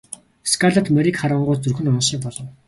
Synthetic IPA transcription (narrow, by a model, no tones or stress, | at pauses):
skʰaɮat̪meɾikχaɾə̆ɴɢʊːt͡sɵrxɵ̆nɔnʃiːkpɔɮɞ̆w